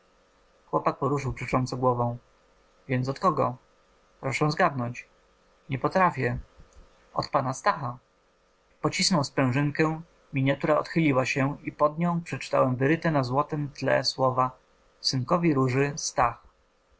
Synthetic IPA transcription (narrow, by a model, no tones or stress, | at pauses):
xwɔpak̚pɔɾuʂɘwpʂɛt͡ʂɔnt̪sɛɡwɔvɔ̃w̃ | vʲjɛnt̪sɔt̪kɔɡɔ̰ | pɾɔʂɛ̃w̃zɡad̪nɔɲt͡ɕ | ɲɛpɔt̪ɾafʲjɛ | ɔ̰t̪̚panast̪axa | pɔt͡ɕisnɔwspɾɛ̃w̃ʐɘŋkɛ̃ | mʲiɲat̪uɾaɔt̪xɘlʲiwaɕɛipɔd̪ɲɔ̃w̃pʂɛt͡ʂɘ̥t̪a̰wɛmvɘɾɘt̪ɛnazwɔt̪ɛmt̪lɛ̰swɔva | sɘŋkɔvʲiɾuʐɘst̪ax